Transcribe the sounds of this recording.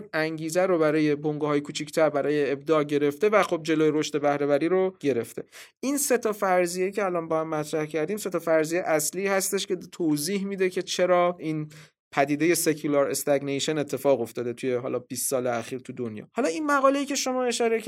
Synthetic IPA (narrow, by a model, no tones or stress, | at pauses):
æŋɟiːzæɾobæɾɒːje̞bo̞ŋɡuɒːjekʰuːt͡ʃʰict̪ʰæɾbæɾɒːje̞ːb̚d̪ɒːlɟe̞ɾe̞ft̪e̞væxob̚d͡ʒe̞loːjeɾoʃt̪e̞bæhɾevæɾiːɾoɟ̥e̞ɾe̞ft̪ʰe̞ʔinse̞t̪ʰɒfæɾzijecʰeælɒːnbɒːhæmːæt̪ʰɾæhcʰæɾd̪iːmse̞t̪ʰɒfæɾzijeʔæsliːhæst̪e̞ʃcʲe̞t̪ʰoziːhmiːd̪e̞cʰe̞t͡ʃʰe̞ɾɒːʔin | pʰæd̪iːd̪e̞je̞se̞kʰulɒɾest̪æɡnejʃene̞t̪ʰːefɒːɣo̞ft̪ɒːd̪e̞t̪ʰujeɦɒ̰ːlɒːb̥ist̪sɒːleæxiːɾt̪ʰud̪onjɒ̰ːhɒːlɒːinmæɣɒːle̞jiːkcʰeʃo̞mɒːe̞ʃɒːɾe